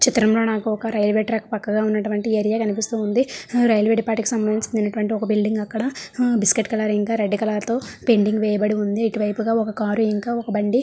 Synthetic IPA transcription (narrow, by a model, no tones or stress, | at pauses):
t͡ʃit̪ɾɐmlo̞ːnaːkuɔkɐɾɐjɐlʋeːʈɾakːupɐkːɐɡaːunːɐʈuʋɐɳʈieːɾijaːkɐnipist̪uːund̪iɾɐjɐlʋeːʈipaːʈikisɐmbɐnd̪iɲt͡ʃind̪inɐʈuʋɐɳʈiɔkɐbilɖiŋɡɐkːɐɽɐbiskeʈːkɐlaːɾiŋkaːɾeɖːikɐlaːɾt̪o̞ːpe̞ɳɖiŋɡʋɛːjɐbɐɽiund̪iːʈiʋɐjpuɡaːɔkɐkaːɾuiŋkaːɔkɐbɐɳɖi